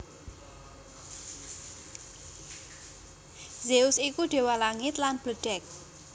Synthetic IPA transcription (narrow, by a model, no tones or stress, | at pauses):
zeusikuɖ̥e̤walaŋɪt̪lanb̥əɖ̥ɛk̚